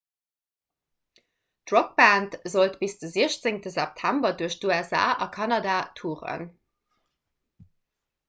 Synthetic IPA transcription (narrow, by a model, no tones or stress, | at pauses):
d̥ʁok̚bæntzoltb̥isd̥əziəɐɕt͡seŋtəzæp̚tʰæmbɐduɐɕduɛza̰ːʔɑkʰɑnɑdaːtʰuːʁə̰n